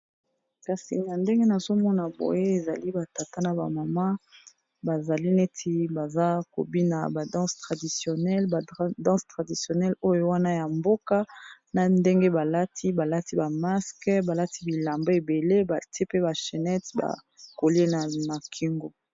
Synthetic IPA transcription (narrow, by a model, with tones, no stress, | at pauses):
ka˨sḭ˨n˨a˨nde˦ŋɡe˦na˨zo˦mɔ˦na˨bo̰˨je˦e˨za˨li˦ba˨ta˨ta˦na˨ba̰˨ma˨ma˦ | ba˨za˨li˦ne˦tʰi˦ba˨za˦ko̰˨bi˦na˨ba˨dɑ̃˦stʁa˨di˨sjo˨nɛ˦lbdɑ̃˦stʁa˨di˨sjo˨nɛ˦lo˦jo˦wa˦na˦ja˨mbo˦ka˦na˨nde˦ŋɡe˦ba˨la˦tʰi˦ba˨la˦ti˦ba˨ma˦skba˨la˦ti˦bi˨la˨mba˦e˨be˨le˦ba˨ti˦e˦pe˦ba˨ʃe˨nɛ˦tba̰˨ | ko˨le˦na˨na˨kʰi˦ŋɡo˨